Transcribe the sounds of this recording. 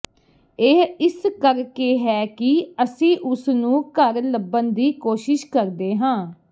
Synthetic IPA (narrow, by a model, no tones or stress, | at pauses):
eɦɪskəɾkeːɦɛːkɪəsĩːʔʊsnũːkəɾləbənd̪iːkoːʃɪʃkəɾd̪eːɦãː